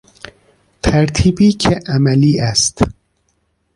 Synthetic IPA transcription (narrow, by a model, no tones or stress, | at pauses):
t̪ʰæɾt̪ʰiːbiːcʰeʔæmæliːʔæst̪